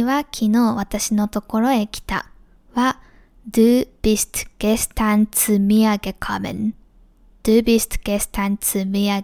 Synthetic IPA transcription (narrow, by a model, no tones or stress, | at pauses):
βakʲʰino̞ːβat̪aɕino̞t̪o̞ko̞ɾo̞e̞kʲi̥t̪a̰ | βa | d̪ɯːbʲist̪ɡ̥esɨ̥t̪ãnt͡sɨmʲiaɡe̞kʰamḛ̃n | d̪̥ɯːbʲist̪ɡ̥esɨ̥t̪ãnt͡sɨmʲiaɡ